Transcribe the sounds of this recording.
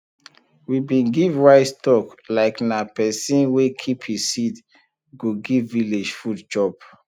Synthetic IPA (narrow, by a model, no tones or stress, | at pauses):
wibĩnɡivwaɪttɔklaɪknapɛsĩnwekʰiphisit | ɡoɡivːiled͡ʒfudd͡ʒɔp